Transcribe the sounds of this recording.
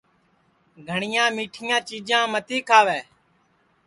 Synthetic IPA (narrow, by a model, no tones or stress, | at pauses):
ɡʱəɳɪjãːmiːʈʰɪjãːt͡ʃiːd͡ʒãːmət̪iːkʰaːʋɛː